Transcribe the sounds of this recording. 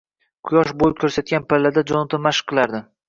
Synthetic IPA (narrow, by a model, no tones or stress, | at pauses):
qʰʊjɒʃbolɪp̚kʰʲɵɾsat̪̚kʲanpalːad̪ad͡ʒɒnʊt̪ʰamaʃɨ̥qʰːɨlˠaɾd̪ɪ